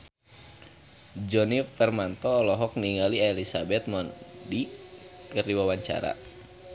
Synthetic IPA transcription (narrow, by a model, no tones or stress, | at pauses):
d͡ʒɔnifɛrmant̪ɔːlɔɦɔk̚niŋalielisabɛt̪̚mɔndikərdiwawaɲt͡ʃa̰ɾa̰